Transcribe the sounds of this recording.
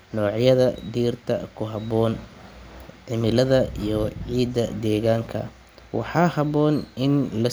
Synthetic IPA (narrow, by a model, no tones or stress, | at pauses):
nɔːʕjɐðɐd̪iːrt̪ʰɐ̰kʰʊɦɑbɔːn | ʕɪmɪlɐðɐijɔʕiːd̪ɐd̪ɛːɣaːŋkʰɐ̰ | wʔɑ̰ħɑːhɑβɔːnɪnlɐ